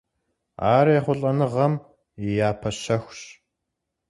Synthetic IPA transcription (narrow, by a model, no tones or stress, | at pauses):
aːɾjɛχʷʊɬʼɐnɨʁɐm | ijaːpʰɐɕɐxʷɕ